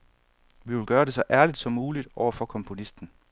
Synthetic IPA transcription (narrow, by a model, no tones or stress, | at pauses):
ʋiʋe̝lɡ̥ɶːɐɾe̝sɒ̽ʔæɐlid̥sɒ̽mːuːlid̥ɒʊ̰ɐfɒ̽kʰɒ̽mpʰo̝nisd̥n̩